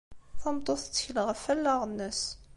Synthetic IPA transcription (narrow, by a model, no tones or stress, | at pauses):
θɑmt̪ˤoθt͡sːə̥çələʁəfælːɑʁənːəs